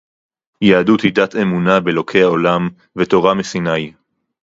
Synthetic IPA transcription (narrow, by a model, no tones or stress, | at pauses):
jaadut̪idat̪e̞munabelo̞kʰejaolam | vet̪o̞ʁamesinaj